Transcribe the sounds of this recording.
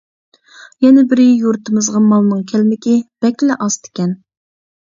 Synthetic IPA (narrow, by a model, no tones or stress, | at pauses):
jɛnɪbɪɾɪjuɾt̪ʰɨmɨzʁɑmɑlˠnɨŋkʲʰɛlmɪkʲɪb̥ɛkʲlɛʔɑst̪ʰɪ̥kʲɛn